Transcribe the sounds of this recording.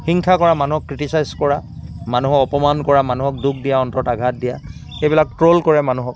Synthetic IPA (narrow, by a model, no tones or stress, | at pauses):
xiŋkʰakɔɹamanuɦɔkːɹitisajzkɔɹamanuɦɔkɔpɔmankɔɹamanuɦɔk̚duk̚ʰdijaɔntɔtaɡʱat̚dija | xejbilak̚tɹolkɔɹɛmanuɦɔk̚